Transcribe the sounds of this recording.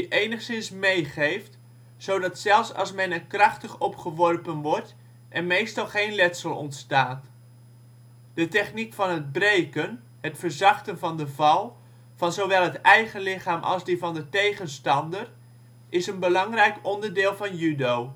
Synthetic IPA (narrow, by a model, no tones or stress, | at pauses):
ʔejnəχsɪnsmejχejft | sowdɑtsɛlˠfsɑ̰lˠsmɛnənkrɑχtəχɔpχəʋɔrpənʋɔɹt | ʔɛnmejstɑlˠχejnlɛtsəlˠɔ̰ntstaːt | d̥ətɛχnikfɑnɦəd̚brejkən | ɦətfəɹzɑχtənvɑndəvɑlˠ | vɑnzowʋɛlˠɦətɛjχənlɪχaːmʔɑ̰lˠzdivɑndətejχənstɑndər | ʔɪsənbəlɑŋrɛjkɔndəɹdɪːlˠvɑnjydow